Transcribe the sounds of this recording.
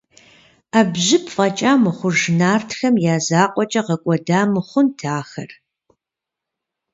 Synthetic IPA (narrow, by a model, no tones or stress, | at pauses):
aːbʑɪpʰfʼɐt͡ʃʼaːmɨχʷʊʐnaːrtʰxɐmjaːzaːqʷʼɔt͡ʃʼɐʁɐkʷʼɔdaːmɨχʷʊntʰaːxɐ̰r